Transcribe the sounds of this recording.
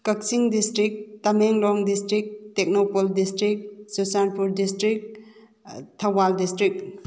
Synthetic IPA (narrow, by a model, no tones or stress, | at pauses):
kɐk̚siŋdistɾik̚tɐmeŋlɔŋdistɾik̚tek̚nopoldistɾiksusanpuɾdistɾik̚ | tʰawwaldistɾik̚